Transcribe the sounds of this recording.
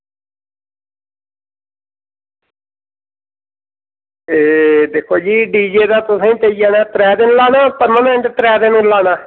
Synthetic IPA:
eːd̪eːkʰːoːd͡ʒiːɖiːd͡ʒeːd̪aːt̪ʊsẽiːt̪eiɛːnaːt̪əɾɛːd̪ɪnlaːnaːpəɾmənɪ̃ɳɖt̪ɾɛːd̪ɪnũːlaːnaː

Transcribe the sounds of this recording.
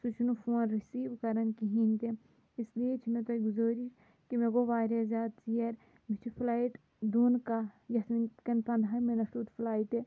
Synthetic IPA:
sut͡ʃʰunufoːnɾisiːʋkɐɾɐnkiɦiːnt̪e | ɪslijet͡ʃʰinet̪ɐɡʊzoːɾiʃ | kimeɡoʋaːɾezjaːd̪sijɐɾ | mit͡ʃʰiflaːiʈ | d̪unkajɐt̪ʰminkɐnpɐnd̪ɦaːmenɐfʈuːt̪flaːiʈ̪e

